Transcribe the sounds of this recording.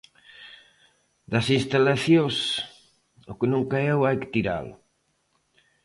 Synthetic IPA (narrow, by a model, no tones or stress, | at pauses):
d̪ɐsinst̪alaθjos | ʊkɪnũŋkaɛwajkɪ̥t̪iɾa̰l